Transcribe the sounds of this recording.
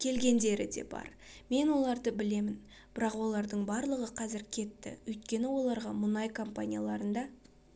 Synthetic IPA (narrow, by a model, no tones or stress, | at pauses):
kʲʰe̞lɡʲe̞nd̪e̞ɾɪ̰d̪e̞̰bɑ̰ɾ | me̞nwo̞lˠɑɾd̪əbɪle̞mɪn | b̥ɪɾɑqwo̞lˠɑɾd̪əɴbɑɾlˠəʁəqʰɑzɪɾkʲʰe̞t̪ːɪ̰wɵjt̪̚kʲe̞nɪwo̞lˠɑɾʁɑmʊnɑjkʰo̞mpanʲijalˠɑɾənd̪ɑ